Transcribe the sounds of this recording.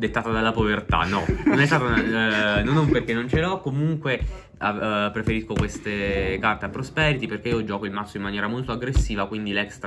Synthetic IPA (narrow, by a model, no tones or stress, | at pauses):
d̪et̪ːaːt̪ad̪alːapovert̪a̰nɔnonɛst̪aːt̪annonomperk̟enːont͡ʃelɔkːomuŋkwe | apːɾefeɾiskokwest̪ekart̪eapːɾospɛɾit̪iperk̟eiːod͡ʒɔːkoilmat̪sːoimːanjɛːɾamolt̪oaɡɾesːiːvakwind̪ilɛkst̪ɾ